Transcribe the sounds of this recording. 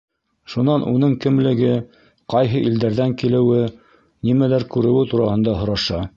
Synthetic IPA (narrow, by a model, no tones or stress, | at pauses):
ʃunɑnʔunɤɴkɘ̆mlɘ̆ɡɘ | qɑjɦɤʔild̪æɾðæŋkilɘ̆wɘ | nimælæɾkʉɾɘ̆wɘt̪uɾɑhɤ̆nd̪ɑɦŏɾɑʃɑ